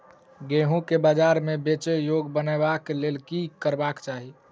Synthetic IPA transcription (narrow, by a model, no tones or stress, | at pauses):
ɡeɦũkebad͡ʒaɾmebet͡ʃəjoɡbənabaklelkikəɾbakt͡ʃaɦi